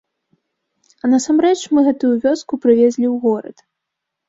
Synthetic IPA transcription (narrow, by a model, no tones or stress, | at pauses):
ɐnɐsamɾɛt͡ʂmɨɣɛt̪ujuvʲɔskupɾɨvʲezʲlʲiwɣɔɾɐ̰t̪